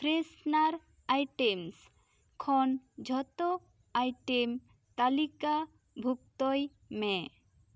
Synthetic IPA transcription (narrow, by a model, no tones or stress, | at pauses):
pɾesnaɾ | ajʈems | kʰɔnd͡ʒʱɔt̪ɔ | ajʈem | t̪alika | bʱuk̚t̪ɔj | mɛ